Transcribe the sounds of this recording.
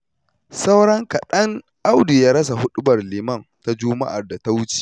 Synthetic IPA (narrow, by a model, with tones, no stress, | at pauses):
sa˦wɽɐ˦ŋka˨ɗɐ˦ŋ | ʔa˦wdu˨ja˦ɾɐ˦s̬a˨ɦʊ˦ɗʊ˦bɐ˨rliː˨mɐ˦˨nta˦d͡ʒʊ˦ma̰˦ʔa̰˨rda˨ta˦wʊ˦t͡ʃi̥ː˨